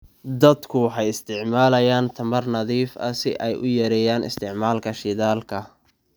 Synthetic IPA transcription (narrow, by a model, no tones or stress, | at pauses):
d̪ɐd̪kʰʊħɛjɪst̪ʰɪʕmaːlɐjaːnt̪ʰɐmɐrnɐðiːfɐ̰sɪʔɛjʔʊjɐɾɛjaːnɪ̰st̪ʰɪʕmaːlkʰɐʃɪðaːlkʰɐ